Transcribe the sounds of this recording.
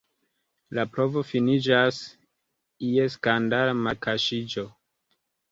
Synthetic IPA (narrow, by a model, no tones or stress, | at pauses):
lapɾo̞vo̞finid͡ʒas | ieskandalmakʰaʃid͡ʒo